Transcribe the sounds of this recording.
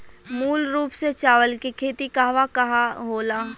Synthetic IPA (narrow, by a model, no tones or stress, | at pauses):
muːlɾuːpset͡ʃaːʋəlkikʰeːt̪ikaɦʋakɐɦaɦoːlaː